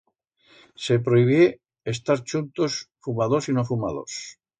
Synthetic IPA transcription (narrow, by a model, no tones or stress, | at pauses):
sepɾoiβ̞je | est̪aɾt͡ʃunt̪osfumaðosinofumaðo̰s